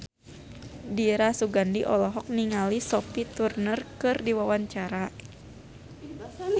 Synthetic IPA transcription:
diɾasuɡandiʔɔlɔɦɔk̚niŋalisɔpit̪urnərkɨrdiwawaɲt͡ʃaɾa

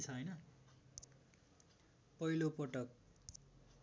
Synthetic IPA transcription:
t͡sʰʌʌjnʌ | pʌilopʌʈʌk̚

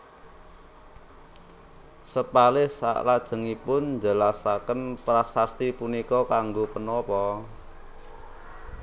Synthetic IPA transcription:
səpalɪhsa̰ʔlad̥ʒ̥ə̤ŋipʊnd͡ʒa̤lasakənpɾasast̪ipunikɔkaŋɡopənɔpɔ

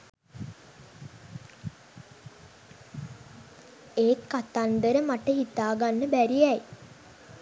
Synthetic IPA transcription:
eːkːat̪and̪əɾəmaʈəɦit̪aːɡanːəbæɾiɛj

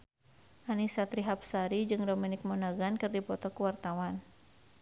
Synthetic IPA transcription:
ʔanisat̪ɾiɦap̚saɾid͡ʒɨŋdominɪk̚mɔnaɡankɨrdipɔt̪ɔkuwart̪awan

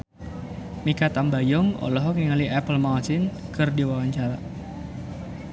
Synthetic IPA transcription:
mikat̪ambajɔŋɔ̰lɔɦɔkniŋaliʔɛpəlmasinkɨrdiwawaɲt͡ʃaɾa̰

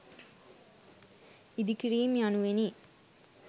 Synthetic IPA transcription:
id̪ikiɽijmjanuʋeni

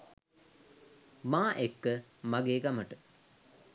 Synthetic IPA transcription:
maːʔekːəmaɡeːɡaməʈə

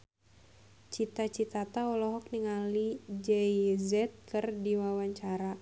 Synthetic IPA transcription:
t͡ʃit̪at͡ʃit̪at̪aɔlɔɦɔk̚niŋalid͡ʒɛizɛt̪̚kɨrdiwawaɲt͡ʃaɾa

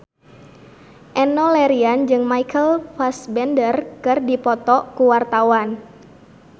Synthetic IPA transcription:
ʔɛnɔlɛɾiand͡ʒɨŋmaikʰəlfasbɛndərkɨrdipɔt̪ɔkuwart̪awan

